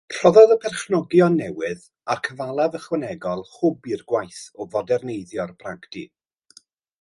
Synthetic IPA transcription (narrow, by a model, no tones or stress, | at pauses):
pʰr̥ɔðɔðəpʰɛrχnɔɡjɔnːɛwɨð | arkʰəvalˠavəχwənɛɡɔlˠχʊbirɡwajθɔvɔdɛrnejðjɔrbraɡdi